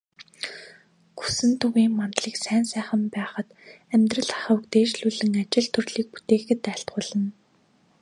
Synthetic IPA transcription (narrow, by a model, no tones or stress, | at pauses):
ɡu̥sɘ̆nt̪ʰʊɣiːŋmant̪ɮiːksæːnsæːχə̆mpæːχə̆t̪ | æmʲt̪rə̆ɮḁχə̆ukt̪eːt͡ɕɮuɮɘ̆ŋat͡ɕɪ̆ɮt̪ʰɵrɮiːk̚pu̥t̪eːxɘ̆t̪æɬt̪χʊːɮə̆n